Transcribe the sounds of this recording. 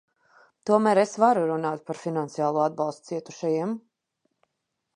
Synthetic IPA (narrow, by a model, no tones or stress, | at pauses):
t̪uɔmæːɾesvaɾuɾunaːt̪̚paɾfinant̪sijaːlˠuːad̪̚bɑlˠst̪̚siɛt̪u̥ʃajiɛm